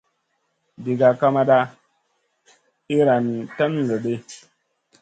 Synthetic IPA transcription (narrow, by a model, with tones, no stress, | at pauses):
di˨ɡa˨ka˦ma˦ɗa˦ | i˦ɾa˨nta˦n˨lə˨ɗe˦